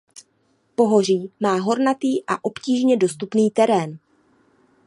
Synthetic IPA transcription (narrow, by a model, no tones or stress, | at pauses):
po̞ɦo̞r̝iːmaːɦo̞ɾnat̪iːʔaʔo̞pciːʒɲɛdo̞st̪upniːt̪ɛɾɛːn